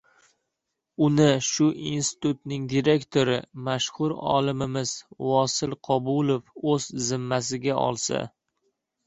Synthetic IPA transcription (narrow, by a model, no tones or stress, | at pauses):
ʊnɪʃʊʔinst̪ɪ̥t̪ʊt̪nɪŋd̪iɾe̞kʲt̪ʰoɾɪmaʃhʊɾɒ̰lˠɪmɪmɪz̥vɒsɪlˠqʰɒbʊlˠofɵzzɪmːas̬ɪɡʲaʔɒ̰lˠsa̰